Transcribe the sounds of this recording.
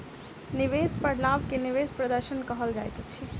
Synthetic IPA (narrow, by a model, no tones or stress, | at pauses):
niʋespəɽlabkeniʋespɾəd̪əɾʃənkəɦəld͡ʒajt̪ot͡ʃʰi